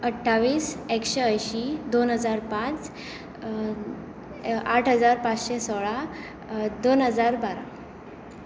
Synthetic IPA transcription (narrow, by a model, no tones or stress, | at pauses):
əʈʰːaʋiːsekɕeəjɕid̪onɦəd͡zaɾpãt͡s | aʈʰɦəd͡zaɾpat͡sɕesɔɭa | d̪onɦəd͡zaɾbaɾa̰